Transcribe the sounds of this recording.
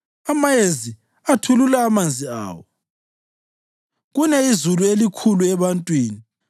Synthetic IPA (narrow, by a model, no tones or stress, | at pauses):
amajezi | atʰululaːmand͡zʱia̰ːwɔ | ɣunɛizuluelikʰuluɛβantʼwiːni